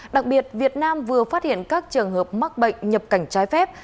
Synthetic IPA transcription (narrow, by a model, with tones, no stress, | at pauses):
ɗa˨˩k̚ɓi˨˩ət̚vi˨˩ət̚naː˧mvɨ˨˩əfaː˦˥t̚hḭ˧˨ənkaː˦˥k̚t͡ɕɨ˨˩əŋɦəː˨˩p̚ma˦˥k̚ɓə̰˧˨jŋ̟ɲə˨˩p̚ka˧˩jŋ̟t͡ɕaː˨˦jfɛ˦˥p̚